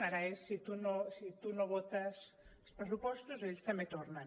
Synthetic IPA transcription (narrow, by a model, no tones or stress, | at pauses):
aɾaesːit̪unosit̪unoβot̪as | ospɾesupost̪oseʎst̪amet̪oɾnan